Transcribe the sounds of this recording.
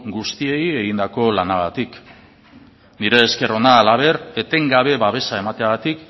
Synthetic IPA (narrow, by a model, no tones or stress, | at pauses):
ɡust̪ie̞je̞ɣind̪ako̞lanaɣ̞at̪ik | niɾe̞ːske̞ro̞naːlaβ̞e̞ɾe̞t̪e̞ŋɡaβ̞e̞βaβ̞e̞sae̞mat̪eaɣat̪ik